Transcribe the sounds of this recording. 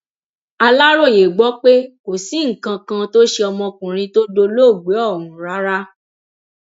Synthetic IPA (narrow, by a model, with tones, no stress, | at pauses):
a˧la˦ɾo˦˨je˨ɡ͡bɔ˨˦k͡pe˦ko˨si˨˦ŋ̩˨kã˧kã˧to˦ʃe˧ɔ˧mɔ̃˧kũ˨ɾ̃ĩ˧to˦do˧lo˦˨ɡ͡be˨˦ɔ˦˨nũ˨˦˨ɾa˨˦ɾa˦